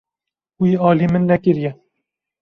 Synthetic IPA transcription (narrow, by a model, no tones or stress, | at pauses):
wiːɑːlimɨnːɛkɨɾjɛ